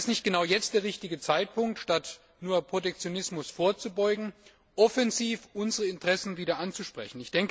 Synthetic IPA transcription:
stnɪçt̚ɡ̥ənaʊjɛt͡st̚d̥eːɐʁɪçtɪɡət͡saɪt̚pʰʊŋk̚tʃtat | nuːɐpʁ̥otɛk̚t͡sjonɪsmʊsfoːɐt͡subɔʏɡŋ̩ | ʔɔfɛnziːfʔʊnzəʁəɪntʁ̥ɛsn̩viːdɐʔant͡suʃpʁ̥ɛ̰çn̩ɪçd̥ɛŋk

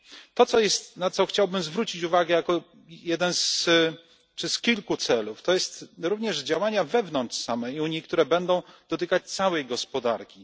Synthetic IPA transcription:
t̪ɔt̪sɔjɛst̪nat̪sɔxt͡ɕawbɘmzvɾut͡ɕit͡ɕuvaɡɛjakɔ | jɛd̪ɛns | t͡ʂɘskʲilkut̪sɛluft̪ɔjɛst̪ɾuvɲɛʐd͡ʑawaɲavɛvnɔntʂsamɛiuɲik̚t̪uɾɛbɛnd̪ɔ̃w̃d̪̥ɔt̪ɘkat͡ɕt̪sawɛjɡɔspɔd̪aɾkʲi

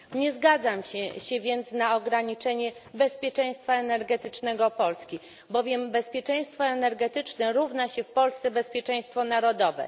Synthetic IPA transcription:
ɲɛzɡad̪zamɕɛɕɛvʲjɛnt̪snaɔɡɾaɲit͡ʂɛɲɛbɛspʲjɛt͡ʂɛ̃j̃st̪faɛnɛɾɡɛt̪ɘt͡ʂnɛɡɔpɔlskʲi | bɔvʲjɛmbɛspʲjɛt͡ʂɛ̃j̃st̪fɔɛnɛɾɡɛt̪ɘt͡ʂnɛɾuvnaɕɛfpɔlst̪sɛbɛspʲjɛt͡ʂɛ̃j̃st̪fɔnaɾɔd̪ɔvɛ̰

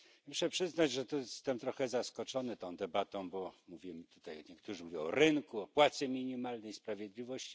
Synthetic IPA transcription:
muʂɛpʂɘznad͡ʑʐɛt̪ɔst̪ɛmt̪ɾɔxɛzaskɔt͡ʂɔnɘt̪ɔ̃w̃d̪ɛbat̪ɔ̃w̃bɔmuvʲimt̪u̥t̪ajɲɛkt̪uʐɘmuvʲjɔ̃w̃ɔ̰ɾɘŋkuɔpwat̪sɛmʲiɲimalnɛjspɾavʲjɛd̪lʲivɔɕt͡ɕi̥

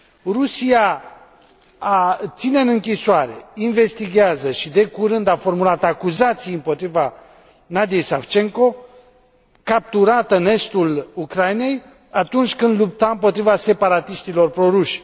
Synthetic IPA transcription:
rusija | at̪sineɨnɨŋkʲisoaɾe̞inve̞st̪iɡʲeazəʃid̪e̞kuɾɨnd̪afo̞rmulat̪akuzat̪sijɨmpo̞t̪ɾiva | nad̪ijejsaft͡ʃe̞ŋko̞ | kap̚t̪uɾat̪əɨne̞st̪ulukɾajine̞j | at̪unt͡ʃʲkɨnd̪lup̚t̪aɨmpo̞t̪ɾivase̞paɾat̪iʃt̪ilo̞rpɾo̞ɾuʃʲ

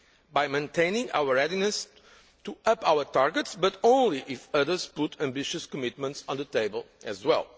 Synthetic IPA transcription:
bajmẽnt̪ʰẽɪ̃nĩŋa̰wəɹɛdinɨs | t̪uʌpawə˞taɹɡətsbʌtõʊ̃nliʔɪfʌðə˞z̥pʊtʰæ̃mbɪʃɨskɔmɪt̪̚mə̃ntsɔ̃nðət̪eɪbəlˠɨzwɛ̰lˠ

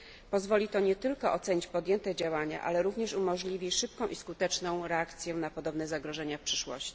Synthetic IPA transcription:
pɔzvɔlʲit̪ɔɲɛt̪ɘlkɔʔɔt̪sɛɲit͡ɕpɔd̪jɛnt̪ɛd͡ʑawaɲa̰ʔa̰lɛɾuvɲɛʂumɔʐlʲivʲiʂɘp̚kɔ̃w̃ʔiskut̪ɛt͡ʂnɔ̃w̃ɾɛakt̪sʲjɛnapɔd̪ɔbnɛzaɡɾɔʐɛɲafpʂɘʂwɔ̰ɕt͡ɕi̥

